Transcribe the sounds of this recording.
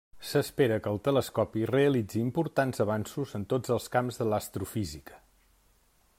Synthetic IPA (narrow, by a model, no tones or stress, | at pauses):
səspeɾəkəːlˠt̪ələskɔpireəlid͡ziːmpuɾt̪anzəβansuzənt̪od͡zəlˠskamzðələst̪ɾufizikə̥